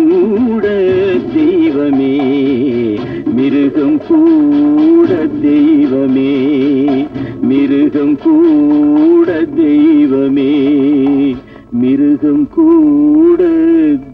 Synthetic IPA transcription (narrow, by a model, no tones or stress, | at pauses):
uːɽɐd̪ɛjʋɐmeː | mɪɾɯɣɐmkuː | ɽɐd̪ɛjʋɐmeː | mɪɾɯɣɐmkuː | ɽɐd̪ɛjʋɐmeː | mɪɾɯɣɐmkuːɽɐ